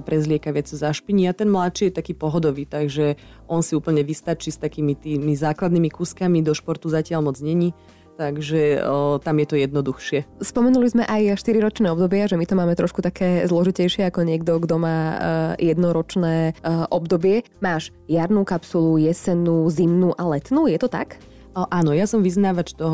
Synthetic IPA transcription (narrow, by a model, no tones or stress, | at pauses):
pɾɛzlɪɛkaʋɪat͡suzaʃpiɲiat̪ɛnmlat̪t͡ʃiːjɛt̪akiːpɔɦɔd̪ɔʋiːt̪aɡʒɛ | ʔɔnsiuːpl̩ɲɛʋist̪at͡ʃist̪akiːmit̪iːmizaːklad̪nimikuːskamid̪ɔʃpɔɾt̪uzacɪalmɔd͡zɲɛɲi | t̪aɡʒɛt̪amjɛt̪ɔjɛd̪nɔd̪uxʃɪɛspɔmɛnulizmɛʔajʃt̪iɾiɾɔt͡ʃnɛːɔbd̪ɔbɪaʒɛmit̪ɔmaːmɛt̪ɾɔʃkut̪akɛːzlɔʒicɛjʃɪɛakɔɲɪɛɡd̪ɔɡd̪ɔmaːjɛd̪nɔɾɔt͡ʃnɛːʔɔbd̪ɔbɪɛmaːʃ | jaɾnuːkapsulujɛsɛnuːzimnuːʔalɛt̪nuːjɛt̪ɔt̪a̰k | ʔaːnɔjasɔmʋiznaːʋat͡ʃt̪ɔɦ